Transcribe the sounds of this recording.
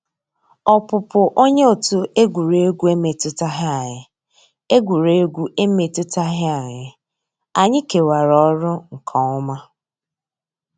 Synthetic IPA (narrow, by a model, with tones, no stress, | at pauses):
ɔ˨pʊ˨pʊ˨ʔo˦ɲe˦o˨tu˦e˦ɡʷu˨ɾe˨˦e˦ɡʷu˦e˦me˨tʊ˦ta˦ɦɪ˦a˨ɲɪ˨ | e˦ɡʷu˨ɾe˨e˦ɡʷu˦e˦me˨tʊ˦ta˦ɦɪ˦a˨ɲɪ˨ | a˨ɲɪ˦ke˨wa˨ɾɔ˦ɾʊ˦ŋ̩˨kʰɔ˨ʊ˦ma˦